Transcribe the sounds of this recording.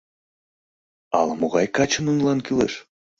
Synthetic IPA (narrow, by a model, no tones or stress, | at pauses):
ɑ̰lɑmoɣɑjkɑt͡ɕənunlɑnkylḛʃ